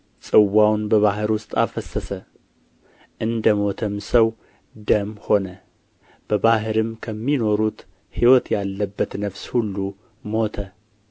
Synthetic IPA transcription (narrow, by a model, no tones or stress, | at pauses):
sʼɨwːawnbəβaɦɨɾwʊst̪ʼafəsəsə | ʔɨnd̪əmo̞t̪ʰəmsəw | d̪əmho̞nə | b̥əbaɦɨɾɨmkʰəmːino̞ɾut̪ | hiwɔt̪jalːəbːət̪nəfshulːu | mo̞t̪ʰə